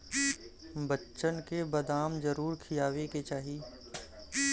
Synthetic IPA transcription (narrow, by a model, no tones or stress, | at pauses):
bətːʃənkebɐd̪aːmd͡ʒɐɾuːɾkʰɪjaːweket͡ʃaːɦi